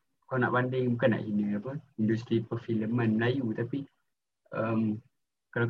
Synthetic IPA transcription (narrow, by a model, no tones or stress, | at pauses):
kana̰ʔpandɪŋmukana̰ʔhinə̃apəindust̪ɾipərfiləmãnməlajut̪api | əm | kala